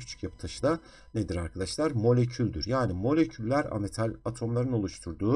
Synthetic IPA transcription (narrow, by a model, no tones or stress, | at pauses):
cʰy̥t͡ʃʰy̥cjapʰɯ̥t̪ʰaʃɯd̪a | ned̪iɾaɾkʰad̪aʃlˠaɾmo̞lʲecʰylʲd̪y̰ɾjaːnimo̞lʲe̞cʰylʲːæɾa̰met̪ʰalʲat̪ʰo̞mlˠaɾɯno̞lˠuʃt̪ʰuɾd̪uː